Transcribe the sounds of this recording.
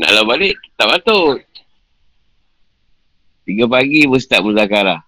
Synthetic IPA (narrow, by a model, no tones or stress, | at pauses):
na̰ʔlabalɪʔt̪aʔbat̪ot̪̚ | t̪iɡap̬aɡibəs̬t̪aʔmudakaɾa